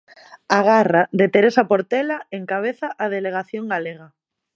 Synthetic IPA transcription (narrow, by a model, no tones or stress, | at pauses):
aɣ̞araðet̪eɾesapoɾt̪elaeŋkaβ̞eθaʔað̞eleɣ̞aθjoŋɡaleɣ̞a